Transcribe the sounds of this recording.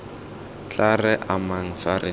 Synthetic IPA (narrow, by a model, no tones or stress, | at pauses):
t͡ɬarɛʔamaŋ̩farʔɪ